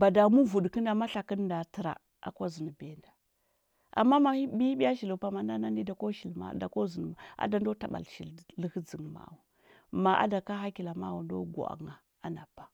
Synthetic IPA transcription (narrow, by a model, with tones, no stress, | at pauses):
ba˨da˨mu˦vu˨dkə˦nda˨ma˦ɬa˨kə˦n˦da˨tə˨ɾa̰˨ | a̰˨ko˦zi˨n˨be˨nda˨ | a̰˨mːa˦ma˦i˦bi˦i˦bi˦a˦ʃi˨lu˨pa˦ma˨na˦na˦ni˦da˨ko˦ʃi˨lma̰˨da˨ko˦zi˨n˨m˨a̰˦da˨n˦do˦ta˨ɓa̰˨lʃi˨llə˦hə˦d͡zi˨ŋ˨ma̰˨wu˨ | ma˨ʔa̰˦da˨ka˦ɦa˦ki˨la˨ma̰˦wu˨ndo̰˦ɡʷo̰˨a̰˨ŋa˨ | a˦na˨pːḁ˨